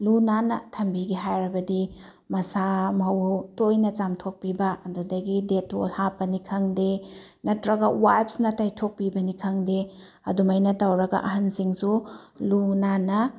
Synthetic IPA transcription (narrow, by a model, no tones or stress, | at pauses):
lunanɐ̰tʰɐmbiɡiɦajɾɐbɐdi | mɐsamɐwtojnɐt͡ʃamtʰok̚pibɐːdudɐɡideto̰lhapːɐnikʰɐŋdenɐtɾɐɡɐwajp̚snɐtajtʰok̚pibɐnikʰɐŋde | ɐ̰dumɐjnɐtɐwɾɐɡɐ̰ʔɐɦɐnsiŋsulunanɐ